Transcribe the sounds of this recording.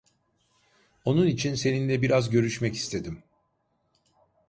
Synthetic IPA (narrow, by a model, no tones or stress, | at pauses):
o̞nunit͡ʃʰinse̞ninlʲɛbiɾazɟø̞ɾyʃmɛci̥st̪ʰe̞d̪im